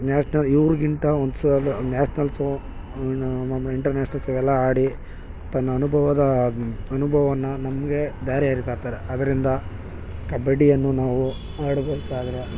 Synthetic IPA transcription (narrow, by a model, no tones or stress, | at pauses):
naːsnɐliʋɾuɡint̪ɐond̪slnaːsnɐlsu | ɐiɳʈɐɾnaːsnɐt͡ʃɐʋɛlːɐaːɽi | t̪ɐnːɐːnubʱɐʋɐd̪ɐɐnubʱɐʋɐʋɐnːɐnɐmɐɡe̞d̪aːɾiɐɾit̪aːɾt̪aːɾeɐd̪ɐɾind̪ɐ | kɐbeɖijɐnːunaːʋu | aːɽbeːkaːd̪ɐɾe